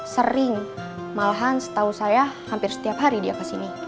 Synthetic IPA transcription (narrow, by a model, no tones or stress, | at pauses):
səɾiŋ | malaɦansə̥t̪ausajahampirsə̥t̪iapɦaɾidiakasini